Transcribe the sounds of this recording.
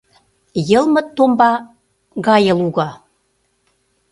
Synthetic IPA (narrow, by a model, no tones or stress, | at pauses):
jə̆lmə̆t̪ːombɑ | ɣɑjə̆luɣɑ